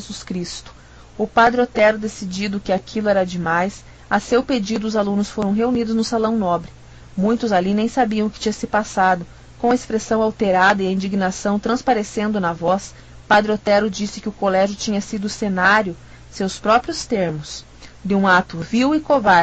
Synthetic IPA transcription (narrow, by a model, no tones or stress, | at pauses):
ʒezuskɾist̪ʊ̥ | ʊpad̪ɾɪot̪ɛɾʊd̪esid͡ʒid̪ʊkɪakʰilʊɛɾɐd͡ʒɪmajs | ɐsewped͡ʒid̪ʊʊzalũnʊsfoɾɐ̃w̃ɦeunid̪ʊznʊsalɐ̃w̃nɔbɾɪ | mũj̃t̪ʊzalinẽj̃sabiɐ̃w̃ʊkɪ̥t͡ʃĩɲɐsɪpasad̪ʊ | kõɐespɾesɐ̃w̃awt̪eɾad̪ɐɪɐĩd͡ʒiɡnasɐ̃w̃t̪ɾɐ̃spaɾesẽnd̪ʊnɐvɔs | pad̪ɾɪot̪ɛɾʊd͡ʒisɪkɪʊkolɛʒjʊt͡ʃĩɲɐsid̪ʊːsenaɾjʊ | sewspɾɔpɾjʊst̪eɾmʊs | d̪ɪũat̪ʊviwɪkovaɾ